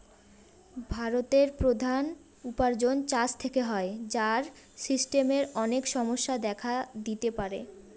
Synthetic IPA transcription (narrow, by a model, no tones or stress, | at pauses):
bʱaɾot̪eɾpɾod̪ʱan | upaɾd͡ʑont͡ɕat͡ɕt̪ʰekeɦɔed͡ʑaɾ | sisʈemeɾɔnekʃɔmoʃːad̪ɛkʰad̪it̪epaɾḛ